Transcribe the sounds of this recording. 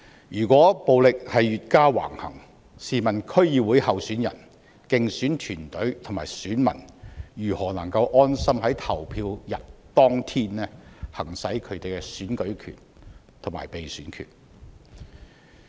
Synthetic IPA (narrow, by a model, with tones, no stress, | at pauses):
jyː˨˩kʷɔː˨˥po˨wlɪ˨k̚hɐ˨jɥyː˨t̚kaː˥wa̰ː˨˩ŋhɐ̰˨˩ŋ | siː˨mɐ˨˩nkʰɵ˥ɥjiː˨˧wuː˨˥jhɐ˨˧wsyː˨˥njɐ̰˨˩n | kɪ˨ŋsyː˨˥nt̪ʰyː˨˩nt̪ɵ˨˥ɥt̪ʰʊ˨˩maː˨˩jsyː˨˥nmɐ̰˨˩njyː˨˩hɔː˨˩nɐ˨˩ŋkɐ˧wʔɔː˥nsɐ˥mhɐ˨˥jt̪ʰɐ˨˩wpʰiː˧wjɐ˨t̚t̪ɔː˥ŋt̪ʰiː˥nlɛː˥hɐ˨˩ŋsɐ˨˥jkʰɵ˨˧ɥt̪e˨jkɛ˥syː˨˥nkɵ˨˥ɥkʰy̰ː˨˩n | t̪ʰŋma̰ː˨˩jpe˨jsyː˨˥nkʰy̰˨˩n